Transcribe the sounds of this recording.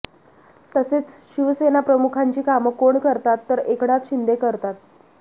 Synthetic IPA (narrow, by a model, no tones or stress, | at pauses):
t̪əset͡sɕiʋəsenapɾəmukʰaɲt͡ɕiːkaməkoɳkəɾt̪at̪ːəɾekɽ̃at͡s̪ɕind̪ekəɾt̪at̪̚